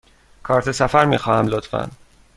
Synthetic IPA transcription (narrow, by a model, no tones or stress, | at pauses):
kʰɒːɾt̪ʰesæfæɾmiːxɒːhæmlot̪fæ̰n